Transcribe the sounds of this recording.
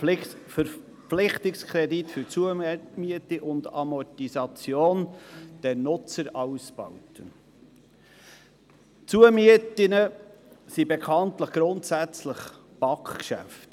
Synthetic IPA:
fəɾ | flɪχtɪkskʰɾɛditfʏɾt͡suəmiətiʔʊndɑ̰mɔtisɑt͡sjoːnd̥ɛɾnʊt͡səɾɑwsb̥ɑ̰wtə | t͡suəmiətɪnə | sibekʰɑntləχɡ̥ɾʊntsæt͡sləχ | b̥ɑkχkʃæ̰ft

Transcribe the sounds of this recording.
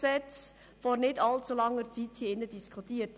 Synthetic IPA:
sɛt͡s | fɔɾnɪdɑlt͡sulɑŋːəɾt͡sithiːɪnːədiskʰut̪iːət

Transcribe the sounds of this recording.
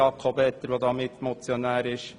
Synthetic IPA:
ɑkʰobɛt̪ːəɾʋoːd̪ɑːmɪt̪mɔt͡sjonæːɾɪʃ

